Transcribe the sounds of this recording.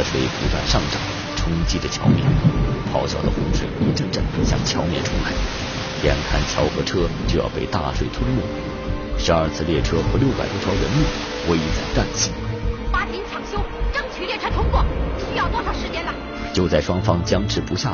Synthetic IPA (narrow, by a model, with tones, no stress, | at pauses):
ʂwe˥˩ɪpṵ˧˥t̪wa̰˥˧nʂɑ˥˩ŋʈ͡ʂɑ˨˩˦ŋ | ʈ͡ʂʰʊ˥ŋt͡ɕi˥ʈ͡ʂə˨t͡ɕʰjɑ̰˧˥ʊmjɛ̰˨˩˦npʰɑ˧˥ʊɕjɑ˥˩ʊd̪ə̰˨xʊ˧˥ŋʂwe˨˩ɪpu˧˥ʈ͡ʂə˥˧nʈ͡ʂa˥˩nɕjɑ̰˥˧ŋt͡ɕʰjɑ˧˥ʊmjɛ̰˨˩nʈ͡ʂʰṵ˧˥la˧˥ɪ | jɛ˧˥nkʰa̰˥˩nt͡ɕʰjɑ˧˥ʊxɤ˧˥ʈ͡ʂʰɤ˥t͡ɕjo˥˧ʊjɑ̰˥˧ʊpe˥˧ɪt̪a̰˥˧ʂwe˥˩ɪt̪ʰu˥˧mu˥˩ | ʂɻ̩˧˥ɐ˞˥˧t͡sʰɹ̩˥˧ljɛ˥˩ʈ͡ʂʰɤ˥xɤ˧˥ljo˥˩ʊpa̰˨˩ɪt̪wʈ͡ʂʰɑ˧˥ʊɻə˧˥nmu˥˩ | we˥ɪ˧˩t͡sa˥˩ɪt̪a˥˧nɕi˧˥ŋp̪a˧˥t͡ɕʰi˧˥ŋt͡ɕʰjɑ˨˧˩ŋɕjo˥ʊʈ͡ʂə˥ŋt͡ɕʰy˨˥ljɛ˥˩ʈ͡ʂʰɤ˥t̪ʰʊ˥ŋkwɔ˥˩t͡ɕʰi˧˥jɑ˥˧ʊt̪wɔ˥˧ʂʰɑ˨˩ʂɻ̩˧˥t͡ɕjɛ˧˥nlɐ˧ | t͡ɕjo˥˧ʊt͡sa˥˩ɪʂwɑ˥ŋfɑ˥ŋt͡ɕjɑ˥ŋʈ͡ʂʰɻ̩˧˥pu˧˥ɕja̰˥˩